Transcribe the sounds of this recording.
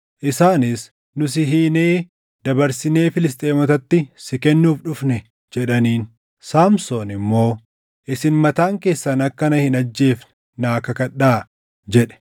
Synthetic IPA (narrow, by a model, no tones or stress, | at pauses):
ʔɪsaːnɪs | nʊs̬ɪɦiːneː | d̪ɐbɐɾsɪne̞ːfɪlɪs̬t̪ʼe̞ːmɔt̪ɐt̪ːɪsɪkɛnːuːfᶑʊfnɛ | d͡ʒɛᶑɐniːn | saːmsoːnɪmːo̞ː | ʔɪsɪnmɐt̪aːŋke̞ːsːɐnɐkːɐnɐhɪnɐd͡ʒːe̞ːfn | naːkɐkɐᶑaː | d͡ʒɛᶑɛ̥